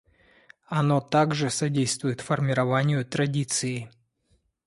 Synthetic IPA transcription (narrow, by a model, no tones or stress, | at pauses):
ɐno̞t̪aɡʐɨsɐdʲejst̪vʊjɪt̪fərmʲɪɾɐvanʲɪjʊt̪ɾɐdʲit̪sɨɪ